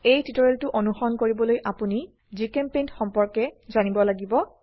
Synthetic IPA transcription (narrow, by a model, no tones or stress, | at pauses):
ejtitɔɹeltʊʔonuxɔnkoɹibɔlojʔapuni | zikempentxɔmpɔɹkɛzanibɔlaɡibɔ